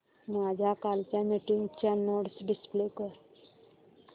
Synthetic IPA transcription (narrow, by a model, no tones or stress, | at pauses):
mad͡ʑʱakalt͡ɕanəʈiŋɡt͡ɕanoɽsɖɪsplekəɾ